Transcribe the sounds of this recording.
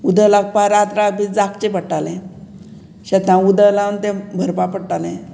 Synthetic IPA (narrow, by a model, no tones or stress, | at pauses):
ud̪əlak̚paɾat̪ɾak̚bʱid͡zakt͡ɕepəʈːalɛ̃ | ɕət̪ãud̪əlant̪ɛ̃bʱəɾpapəɽʈalɛ̃